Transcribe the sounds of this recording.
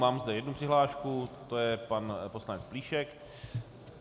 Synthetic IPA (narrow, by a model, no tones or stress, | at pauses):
maːmzdɛjɛdnupr̥ɪɦlaːʃkut̪ojɛpanposlanɛt͡spliːʃɛk